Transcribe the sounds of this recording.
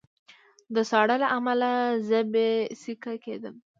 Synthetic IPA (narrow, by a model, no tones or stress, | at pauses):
d̪əsɑɽəlaʔamalazəbesikaked̪əm